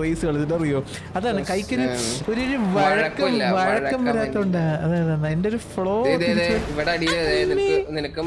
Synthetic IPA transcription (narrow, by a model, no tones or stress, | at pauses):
ʋɐjsuɣɐɭðidɐrijoː | ɐðaːɳɨkɐjkʲːoɾuoɾuɾuʋɐɻɐɐkːɐmʋɐɻɐkːɐmʋɐɾaːt̪ːɐuɳɖaɐðaːjðaːɳendeoɾufɭo̞ːðiðet͡ɕːɐiʋɐɽeɐɽijeðenimininɐkːɨm